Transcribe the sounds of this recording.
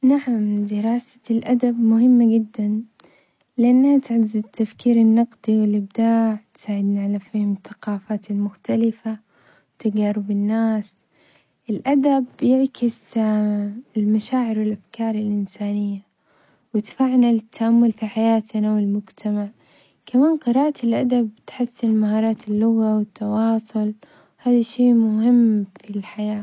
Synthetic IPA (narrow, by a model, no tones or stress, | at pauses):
naʕamd̪ɪɾˤɑːsḁlʔad̪abmʊhɪmːaɡɪd̪ːan | lɪʔanːhat̪ʕazɪt̪ːafkiːɾɪnːɑqd̪̥ˤiwɪlʔɪb̚d̪aːʕt̪saːʕɪd̪naʕalafiːhɪmɪθːḁqɑːfaːt̪ɪlmʊxt̪alɪfa | t̪ɪɡaɾˤɪbɪnːaːs | ʔɪlʔad̪abjɪʕkɪs | ɪlmaʃaːʕɪɾwɪlʔafkɑːɾˤɪlʔɪnsaːnɪjːa | wɪt̪faʕnalɪt̪ʰːaʔamːʊlfiħajaːt̪nawɪlmʊd͡ʒt̪ʰamaʕ | kamaːnqɨɾˤɑːʔat̪ɪlʔad̪abt̪ħasːɪnmahɑːɾˤɑːt̪ɪlːʊɣawɪt̪ːɑwɑːsˤʊl | haːðaʃeːmʊhɪmːfilħajaː